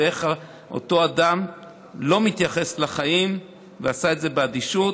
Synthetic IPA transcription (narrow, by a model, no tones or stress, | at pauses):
eχa | ʔo̰to̞adam | lo̞mit̪jaχe̞slaχaim | veasaetze̞bead̪iʃu